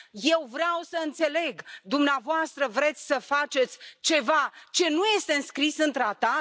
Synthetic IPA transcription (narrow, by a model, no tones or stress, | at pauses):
je̞wvɾeawsəɨnt̪se̞le̞ɡd̪umneavoast̪ɾəvɾe̞t̪sʲsəfat͡ʃe̞t̪sʲt͡ʃe̞vat͡ʃe̞nuje̞st̪e̞ɨnskɾisɨnt̪ɾat̪a